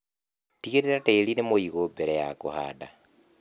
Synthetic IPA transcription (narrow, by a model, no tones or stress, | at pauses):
tiɣeɾeɾateːlinemoiɣobeɾɛja̰ko̰ha̰ːda